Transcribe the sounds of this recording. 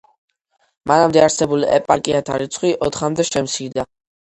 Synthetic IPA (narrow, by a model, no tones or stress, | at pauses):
manamd̪ɛaɾsɛbuliɛ̰pʼaɾkʼiat̪ʰaɾit̪sʰχwiʔɔt̪ʰχamd̪ɛʃɛmsid̪a